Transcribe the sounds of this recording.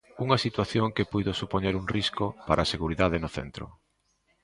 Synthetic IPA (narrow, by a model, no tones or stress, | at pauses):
uŋɐsit̪waθjoŋkepujðosupoɲeɾuŋriskopaɾʔaːseɣuɾiðaðenoθḛnt̪ɾʊ̰